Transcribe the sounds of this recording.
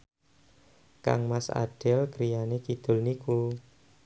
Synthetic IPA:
ka̰ŋmasa̰ɖ̥ɛlkɾijanekid̪̥ʊ̤lniku

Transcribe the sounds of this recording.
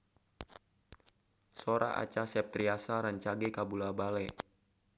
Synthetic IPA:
soɾa̰ʔa̰t͡ʃasɛp̚t̪ɾiasaɾaɲt͡ʃaɡɛkabulabalɛ

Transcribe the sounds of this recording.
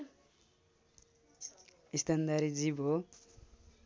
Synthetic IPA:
ist̪and̪aɾid͡zibʱo

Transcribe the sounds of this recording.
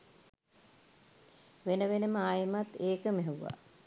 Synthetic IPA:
ʋenəʋenəməaːjəmat̪ːeːkəmeɦeʋuʋa̰

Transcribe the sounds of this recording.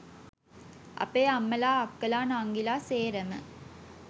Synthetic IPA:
ʔɐ̰peːɐmːəlaːɐkːəlaːnːŋɡilaːseːɾəmə̰

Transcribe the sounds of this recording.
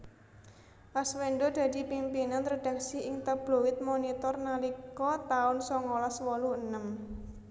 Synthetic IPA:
pasweɳɖod̪̥ä̤d̥̪i̤pimpinanɾod̥ä̤ksiʔɪŋt̪ab̥lo̤wɪt̪̚monit̪ɔrnalikɔt̪aʊnsɔŋɔlɔswɔluənəm

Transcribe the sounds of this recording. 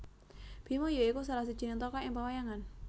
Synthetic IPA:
b̥i̤mojoikus̬alahsid̥d͡ʒ̥i̤nɪŋt̪ɔkɔɪŋpəwajaŋan

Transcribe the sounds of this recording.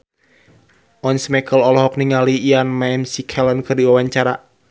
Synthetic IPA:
ʔɔnsmɛkʰəlɔlɔɦɔk̚niŋaliianmamsikʰɛlənkɨrdiwawaɲt͡ʃaɾa

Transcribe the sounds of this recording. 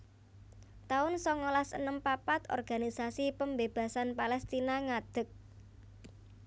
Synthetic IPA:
t̪aʊnsɔŋolasə̰nəmpapat̪ɔ̰rɡ̥a̤nisasipəmbeb̥ä̤sanpalɛst̪inaŋad̪̥ə̤k̚

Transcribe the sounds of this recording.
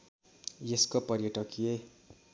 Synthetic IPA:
jeskopʌɾjʌʈʌkje

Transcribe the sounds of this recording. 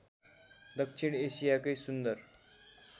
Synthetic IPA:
d̪əkʂiɳeɕijakəjsund̪əɾ

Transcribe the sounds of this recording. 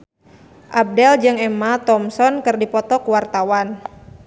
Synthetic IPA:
ʔab̚dɛld͡ʒɨŋɛmat̪ɔmsɔnkɨrdipɔt̪ɔkuwart̪awan

